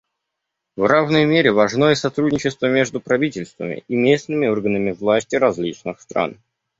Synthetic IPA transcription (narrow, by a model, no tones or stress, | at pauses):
vravnəjmʲeɾʲɪvɐʐnojəsɐt̪ɾudʲnʲɪt͡ɕɪst̪vəmʲe̞ʐd̪ʊpɾɐvʲitʲɪlʲst̪və̰mʲɪ̰ʔɪmʲesnɨmʲɪo̞rɡənəmʲɪvlˠasʲtʲɪɾɐzʲlʲit͡ɕnɨxst̪ɾa̰n